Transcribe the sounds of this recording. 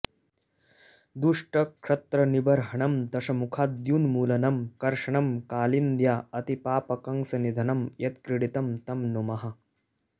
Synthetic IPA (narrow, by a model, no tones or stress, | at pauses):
d̪uʂʈɐkʂɐt̪ɾɐnibɐɾɦɐɳɐmd̪ɐʃɐmukʰaːd̪junmuːlɐnɐmkɐɾʂɐɳɐmkaːlind̪jaːɐt̪ipaːpɐkɐŋsɐnid̪ʱɐnɐmjɐt̪kɾɪɽit̪ɐmt̪ɐmnumɐɦɐ̆